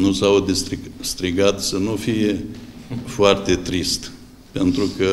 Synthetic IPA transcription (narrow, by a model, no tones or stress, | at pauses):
nusawd̪est̪ɾist̪ɾiɡat̪sənufije | foart̪e̞t̪ɾist̪ | pe̞nt̪ɾukə